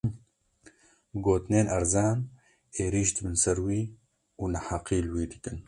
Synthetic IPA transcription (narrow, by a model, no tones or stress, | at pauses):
ɡoːt̪ɨneːnɐɾzaːn | eːɾiːʃd̪ɨbɨnsɛɾwiː | uːnɐħaqiːlwiːd̪ɨkɨn